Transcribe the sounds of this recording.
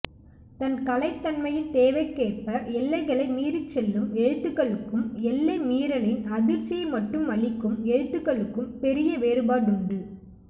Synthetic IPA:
t̪ɐnkɐlɐɪt̪ːɐnmɐjɪnt̪eːʋɐɪkːeːrpɐɛlːɐɪɣɐɭɐɪmiːɾɯt͡ʃːɛlːɯmɛɻɯt̪ːɯkːɐɭɯkːɯmɛlːɐɪmiːɾɐɭɪnɐðɪɾsɛmɐʈːɯmʋɐɭɪkːɯmɛɻɯt̪ːɯɣɐɭɯkːɯmpɛɾɪjɐʋeːɾɯbaːɽʊɳɖɯ

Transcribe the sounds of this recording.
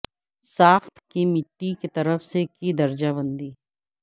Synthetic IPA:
saːxt̪ʰkimɪʈːiket̪ɐɾəfsekid̪ɐɾd͡ʒabə̃nd̪iː

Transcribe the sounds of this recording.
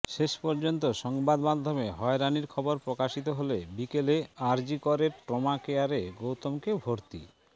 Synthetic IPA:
ʃeʃpɔɾd͡ʑont̪̬oʃɔŋbad̪mad̪ʱːomeɦɔeɾaniɾkʰɔboɾpɾokaʃit̪̬oɦolebikeleaɾd͡ʑikoɾeɾʈɾomakeaɾeɡowt̪omkebʱoɾt̪ḭ

